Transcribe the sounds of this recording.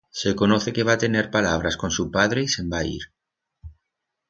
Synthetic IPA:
ʃekonɔθekeβat̪eneɾpalaβɾaskõnsupaðɾeisembaḭɾ

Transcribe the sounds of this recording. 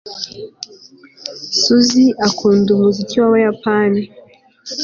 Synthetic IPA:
suziʔakʰuːndumuzit͡siwawajapani

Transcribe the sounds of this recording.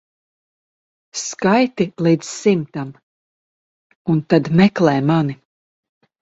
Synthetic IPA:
skajt̪ilˠid̪z̥simt̪am | unt̪ad̪mɛklɛːmani

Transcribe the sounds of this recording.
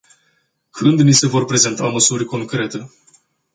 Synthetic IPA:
kʰɨnd̪nise̞vo̞rpɾe̞ze̞nt̪aməsurʲko̞ŋkɾe̞t̪e̞

